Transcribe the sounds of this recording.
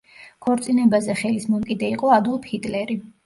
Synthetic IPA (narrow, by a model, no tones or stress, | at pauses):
kʰɔɾt̪sʼinɛbazɛχɛlismɔmkʼid̪ɛiqʼɔad̪ulˠpʰit̪ʼlɛɾi